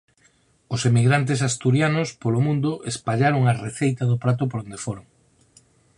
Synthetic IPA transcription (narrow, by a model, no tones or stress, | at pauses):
ʊsemiɣɾant̪̬es̬ast̪uɾjanʊspolomũnd̪ʊʔespaʎaɾoŋareθejt̪ɐðʊpɾat̪̬ʊpoɾond̪efoɾoŋ